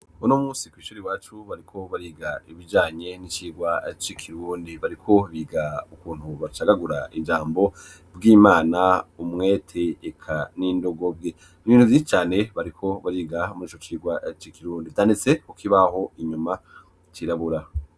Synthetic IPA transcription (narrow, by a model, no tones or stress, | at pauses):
unomuːsikwiːʃuɾewaːt͡ʃuβaɾikʰo̞βaɾiːɡaiβid͡ʒaːɲe̞nit͡ʃiːɡwat͡ʃikʰiɾuːndiβaɾikʰo̞βiːɡaukuːn̥huβat͡ʃaɡaɡuɾaid͡ʒaːmbo̞ | bɡiːmaːnaumŋe̞tʰeːkʰaniːndo̞ɡo̞bɡe | niβiːnhuviʃi̥t͡ʃaːne̞βaɾikʰo̞βaɾiːɡamuɾiːt͡ʃot͡ʃiːɡwat͡ʃikʰiɾuːnditʰaːndit͡se̞kukiβaɦo̞iɲuma | t͡ʃiɾaβuɾa